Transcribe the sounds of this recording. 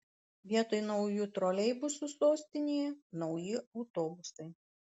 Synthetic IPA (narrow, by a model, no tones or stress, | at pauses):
ʋʲiɛt̪oːjnɔʊjut̪ɾoːlʲɛɪbʊsʊsoːsʲt̪ʲɪnʲiːjnɒʊjɪɒʊt̪oːbʊsɐɪ